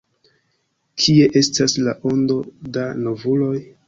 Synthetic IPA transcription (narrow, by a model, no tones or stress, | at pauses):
kʰie̞ʔe̞staslaʔo̞ndo̞danovulo̞j